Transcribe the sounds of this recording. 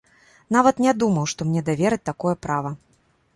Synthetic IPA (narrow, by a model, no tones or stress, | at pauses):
navɐt̪nʲad̪umɐwʂt̪ɔmnʲɛd̪avʲɛɾɨt̚ʲt̪akɔjɛpɾavɐ